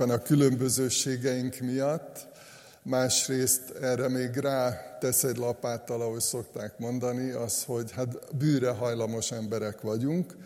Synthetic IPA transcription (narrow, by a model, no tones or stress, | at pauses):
ɛnɒkylømbøzøːʃeːɡɛjiŋkmijɒt̪ː | maːʃreːst̪ɛːrɛmeːɡraːt̪ɛsɛɟlɒpaːt̪ɒlɒɦo̞ɟso̞kt̪aːkmo̞nd̪ɒniɒst̪ho̞ɟhat̪byːɾɛɦɒjlɒmo̞ʃɛmbɛɾɛkʋɒɟuŋk